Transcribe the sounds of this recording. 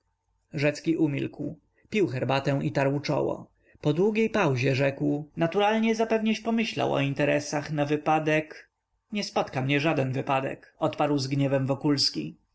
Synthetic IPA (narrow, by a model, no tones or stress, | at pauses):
ʐɛt̪skʲiʔumʲḭlkw | pʲiwxɛɾbat̪ɛw̃it̪aɾwt͡ʂɔ̰wɔ̰ | pɔd̪wuɡʲejpawʑɛʐɛkwnat̪uɾalɲɛzapɛvɲɛt͡ɕpɔmɘɕla̰wɔ̰int̪ɛɾɛsaxnavɘpad̪ɛk | ɲɛspɔt̪kamɲɛʐad̪ɛnvɘpad̪ɛ̰kɔt̪paɾwzɡɲɛvɛmvɔkulskʲi